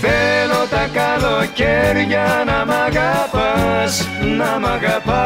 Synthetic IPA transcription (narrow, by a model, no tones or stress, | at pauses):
peɾot̪akaðokʲeɾjanamaɣapasnamaɣapa